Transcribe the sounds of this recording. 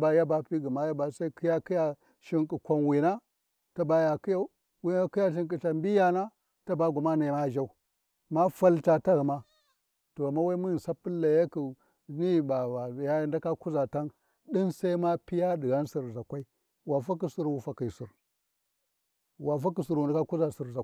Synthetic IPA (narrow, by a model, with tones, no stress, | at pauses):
ba˨ja˦ba˨pi˦ɡu˨ma˦ja˦ba˨sa˦i˦ki˦ja˦ki˦ja˨ | ʃi˦ŋkʼi˨kʷa˨nwi˨na˦ | ta˦ba˨ja˨ki˦ja˦u˦ | wi˦a˦ki˦ja˦ʃ̬i˦ŋk̬i˨t͡ʃa˨mbi˦ja˦na˦ | ta˦ba˨ɡu˨ma˦na˨ma˦˨d͡ʒa˦u˦˨ | ma˦fa˦lta˨ta˦ɣu˨ma˦ | to˨a˨mːa˦wa˦mu˦˨nsa˦pːi˦lːa˨ja˦ku˨ | ni˦˨ba˨wa˨ja˦nda˦ka˦ku˦za˨ta˦n | ɗi˦nsa˦i˦ma˦pi˦ja˦ɗi˨ɣa˦nsi˨ɾza˨kʷa˦i˦ | wa˨fa˦k̬i˨si˦ɾwu˨fa˨ki˨si˨ɾ | wa˨fa˦k̬i˨su˨ɾwu˨nda˦ka˦ku˦za˨si˨ɾza˨